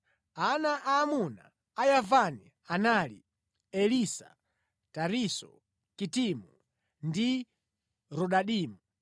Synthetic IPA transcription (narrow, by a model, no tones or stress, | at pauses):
anaʔaːmuna̰ | ajavani | analḭ | ɛlisa̰ | taɾisɔ̰ | kitimu | ndi | ɾɔɗaɗiːmu